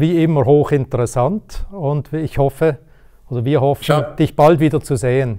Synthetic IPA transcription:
viːɪməʁhoːχɪntəʁɛsantʊntɪçhɔfə | oːdɐviːɐhɔfənd̥ɪçb̥altviːdɐt͡suzeːən

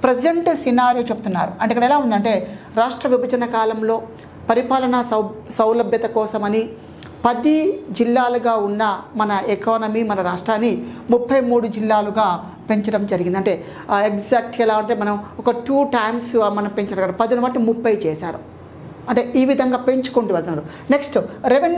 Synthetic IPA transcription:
pɾɐseɳʈsinaːɾjut͡ʃebut̪unːaːɾuɐɳʈeikːɐɽɛlaːund̪ɐɳʈe̞ːɾaːʂʈɾɐʋibʱɐd͡ʒɐnɐkaːlɐmlo̞ː | pɐɾipaːlɐɳɐsɐwlɐbʱjɐt̪ɐkɔːsɐmɐni | pɐd̪id͡ʒilːaːluɡaːunːɐmɐnɐɛkaːnɐmiːmɐnɐɾaːʂʈɾaːnːimupʰːɐjmuːɽud͡ʒilːaːluɡaː | pe̞ɲt͡ʃɐɽɐmd͡ʒɐɾiɡind̪ɐɳʈe̞ː | ekd͡ʒaːk̚ʈɛlaːɐɳʈeːmɐnɐmɔkɐʈuːʈɐjmsmɐnɐmpeɲt͡ʃɐnːɐkːaɽɐpɐd̪unɐʋaːʈnimupːɐjt͡ʃɛːʃaːɾu | ɐɳʈe̞ːʔiːʋid̪ʱɐŋɡaːpe̞ɲt͡ʃu̥koɳʈuʋɛlt̪unːaːɾu | ne̞ksʈɾeʋ

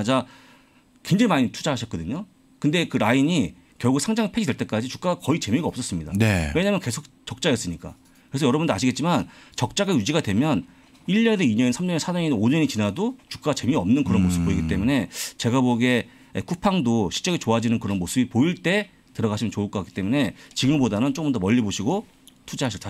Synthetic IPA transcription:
ad͡ʑa | kwend͡ʑeŋimaɲitʰud͡ʑaɦaɕʰʌt̚k͈ʌdɯɲo | kɯnde̞kɯɾaiɲi | kjʌɭɡusʰaŋd͡ʑaŋipʰed͡ʑʰidwe̞ɭt͈e̞k͈ad͡ʑit͡ɕu̥k͈aɡakʌit͡ɕe̞miɡaʌps͈ʌs͈ɯmɲidanewe̞ɲamjʌnke̞sʰok̚t͡ɕʌk̚t͡ɕ͈ajʌs͈ɯɲik͈a̰ | kɯɾesʰʌjʌɾʌbundaɕ̬ʰiɡett͡ɕ͈imant͡ɕʌk̚t͡ɕ͈aɡajud͡ʑiɡadwe̞mjʌn | iʎɲʌneiɲʌnsʰamɲʌɲʌnsʰanʌɲinoɲʌɲit͡ɕinadot͡ɕu̥k͈aɡat͡ɕe̞miʌmnɯnkɯɾʌnmosʰɯ̥pp͈ːoiɡit͈e̞mune̞t͡ɕe̞ɡaboɡe̞ | ekʰupʰaŋdoɕʰi̥ɭt͡ɕ͈ʌɡet͡ɕoad͡ʑinɯnkɯɾʌnmosʰɯbipoiɭt͈e̞ | tɯɾʌɣaɕʰimjʌt͡ɕoɯɭk͈okak͈i̥t͈e̞mune̞t͡ɕiɡɯmbodanɯnt͡ɕokɯmndʌmʌʎːiboɕʰiɡo | tʰud͡ʑiɦaɕʰʌt͈a

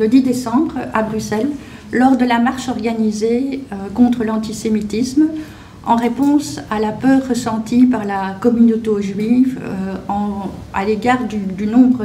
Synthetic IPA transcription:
ləd̪id̪esɑ̃bʁabʁysɛlː | ɔʁd̪əlamaʁʃɔʁɡanizeøkɔ̃t̪χəlɑ̃t̪isemit̪ism | ɑ̃ʁepɔ̃salapœʁːəsɑ̃t̪ipaʁlakɔmynot̪eʒɥivøɑ̃a̰leɡaːʁd̪yd̪ynɔ̃bʁə

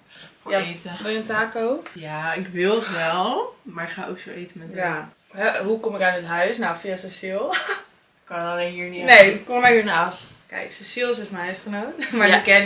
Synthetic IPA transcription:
faetədɛəntaːkowjaːɪkʋɪlˠətʋɛlˠmaːɹɪkχaːʔo̰wksowejtəmɛtja | ɦɛɦukʊmɪkanətɦœɥsnawfiasasilˠ | kɑnalejnɦiːninejkommahiːɹnaastkɛ̰jksəsilˠs̬ɪsmaɛfχənownmaɹəkɛ

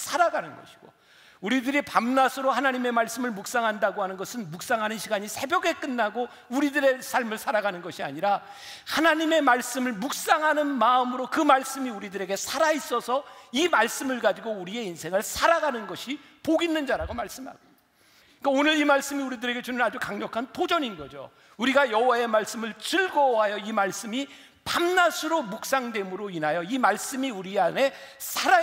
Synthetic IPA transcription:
sʰaɾaɡanɯnɡʌ̰ɕʰi̥ɡ̥o̰ | uɾidɯɾipamnasʰɯɾohanaɲime̞maɭs͈ɯmɯɭmuk̚s͈aŋɦandaɡoɦanɯnɡʌsʰɯnmuk̚s͈aŋɦanɯnɕʰiɡaɲisʰe̞bjʌɡe̞k͈ɯnːaɡo | uɾidɯɾe̞sʰaɭmɯɭsʰaɾaɡanɯnɡʌɕʰia̰ɲiɾa | hanaɲime̞maɭs͈ɯmɯɭmuk̚s͈aŋɦanɯnmaɯmɯɾokɯmaɭs͈ɯmiuɾidɯɾe̞ɡe̞sʰaɾais͈ʌsʰʌimaɭs͈ɯmɯɭɡad͡ʑiɡouɾie̞insʰe̞ŋɯɭsʰaɾaɡanɯnɡʌɕʰi | poɡinːɯnd͡ʑaɾaɡomaɭs͈ɯmɦa̰ɡo | ik͈aonɯɾimaɭs͈ɯmiuɾidɯɾe̞ɡe̞t͡ɕunɯad͡ʑukaŋɲʌkʰantʰod͡ʑʌninɡʌd͡ʑo̰ | uɾiɡajʌɦowae̞maɭs͈ɯmɯɭt͡ɕɯɭɡʌɦajʌimaɭs͈ɯmi | pamnasʰɯɾomuk̚s͈aŋdwe̞mɯɾoinɦajʌimaɭs͈ɯmiuɾiane̞sʰaɾa

